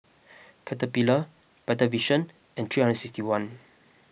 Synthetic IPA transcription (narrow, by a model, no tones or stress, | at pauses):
kʰɛtəpilə | b̥ɛtəviʃə̃n | ɛ̃ntɹihãndə̃nsikstiwãn